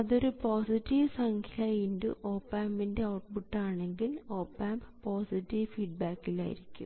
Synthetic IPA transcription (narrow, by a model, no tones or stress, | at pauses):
ɐðo̞ɾupoːsitːiʋsɐŋkʰjɐjindɨ̰ʔoːpːaːmbinde̞ɐwʈbuʈːaːɳe̞ŋɡilo̞ːpːaːmbpoːsiʈːiʋfiːɖ̚baːkːila̰ːjḭɾikʲːṵm